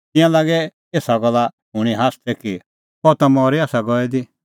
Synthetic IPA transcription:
t̪ɪ̃jãlaːɡɛ | eːsaɡɔlːa | ɦʊɽ̃iɦaːst̪ʰɛki | pɔt̪amɔːɾiaːsaɡɔɛd̪i

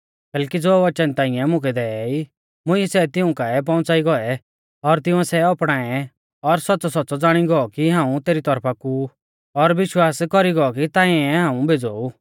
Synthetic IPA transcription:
kɛːlkid͡zoːʋɐt͡ʃənt̪ãːɪ̃ɛ̃mʊ̃kʰɛd̪ɛːi | mʊ̃iɛsɛt̪ɪũkaɛp̬ɔ̃ʊ̃t͡saːiɡɔɛ | ɔɾt̪ɪũɛ̃sɛɔpɽ̃aːɛ | ɔɾsɔt̚ːt͡sɔsɔtːsɔd͡zaːɽ̃iɡɔɔkiɦãːũt̪eːɾit̪ɔɾpʰaku | ɔɾʋɪʃwaːskɔɾiɡɔɔkit̪ãːĩɛɦãːũbʱeːd͡zɔːu

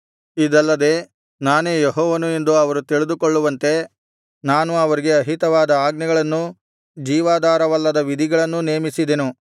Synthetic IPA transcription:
id̪ɐlːɐd̪e̞ː | naːneːjeɦɔːʋɐnue̞nd̪uɐʋɐɾut̪iɭid̪ukoɭːuʋɐnt̪e̞ | naːnuɐʋɐɾiɡe̞ɐɦit̪ɐʋaːd̪ɐaːɡnɛɡɐɭɐnːu | d͡ʒiːʋaːd̪aːɾɐʋɐlːɐd̪ɐʋid̪ʱiɡɐɭɐnːune̞ːmisid̪enu

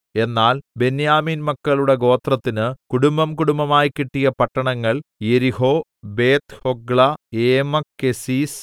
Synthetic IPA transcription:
e̞nːaːlbe̞njaːmiːnmɐkːɐɭuɽe̞ɡo̞ːt̪rɐt̪ːinɨkuɽumbɐmkuɽumbɐmaːjikːiʈːijɐpɐʈːɐɳɐŋːɐɭje̞ɾiho̞ːbe̞ːt̪hoɡɭɐeːmɐkːe̞siːs

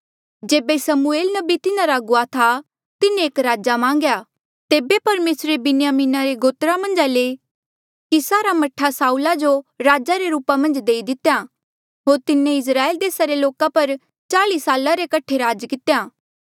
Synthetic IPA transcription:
d͡ʒeːbesɐmueːlnɐbit̪ɪnãɾaɡʊat̪ʰa | t̪ɪnẽeːkɾaːd͡ʒamãːŋɡja | t̪eːbepɐɾmeːsɾebɪnɪjaːmiːnaɾeɡoːt̪ɾamɐ̃nd͡ʒale | kisaːɾamɐʈʰasaːuːlad͡ʒoɾaːd͡ʒaɾeɾuːpamɐ̃nd͡ʒd̪eːid̪ɪt̪eja | ɦoːɾt̪ɪnːẽɪs̬ɾaːeld̪eːsaɾeloːkapɐɾ | t͡ʃaːlisaːlaɾekɐʈʰeɾaːd͡ʒkɪt̪ejaː

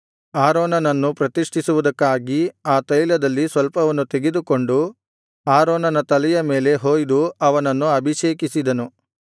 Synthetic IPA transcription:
aːɾoːnɐnɐnːupɾɐt̪iʂʈʰisuʋud̪ɐkːaːɡiaːt̪ɐlilɐd̪ɐlːisʋɐlpɐʋɐnːut̪eɡe̞d̪uko̞ɳɖu | aːɾoːnɐnɐt̪ɐlɛjɐme̞ːle̞ɦoːjd̪uɐʋɐnɐnːuɐbʱiʃeːkisid̪ɐnu

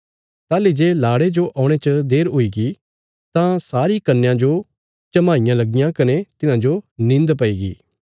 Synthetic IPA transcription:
t̪aːlid͡ʒeːlaːɽed͡ʒoʔaːʊɽ̃et͡ʃɐd̪eːɾɦʊiɡi | t̪ãsaːɾikɐɾnːejãd͡ʒo | t͡ʃɐmaːɪjãlɐɡɪjãkɐnet̪ɪnãd͡ʒonɪ̃nd̪pɐiːɡḭː

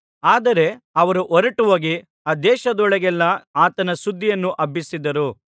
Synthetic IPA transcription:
aːd̪ɐɾe̞ɐʋɐɾuʔɔɾɐʈuʋoːɡi | aːd̪ɛːʃɐd̪ɔɭɐɡɛlːɐaːt̪ɐnɐsud̪ːijɐnːuʔɐbʱːisid̪ːɐɾu

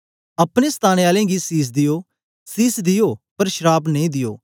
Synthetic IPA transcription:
ɐpɽ̃eːst̪ʰaːɽ̃eaːlẽːɡiːsiːs̬d̪ɪjoː | siːsd̪ɪjoːpɐɾʃɾaːbnɐĩːd̪ɪjo̰ː

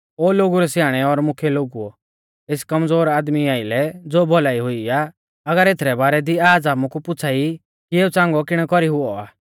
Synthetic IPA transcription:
oːloːɡuɾɛsjaːɽ̃ɛɔɾmʊkʰɛloːɡuɔ | eskɐmd͡zoːɾaːd̪miaːɪlɛd͡zoːbʱɔlaːiɦʊiaː | ɐɡəɾeːt̪ʰɾɛbaːɾɛd̪iaːd͡zaːmukupʊt͡sʰaːi | kieːut͡sãːŋɡɔkɪɽ̃ɛkɔɾiɦʊɔaː

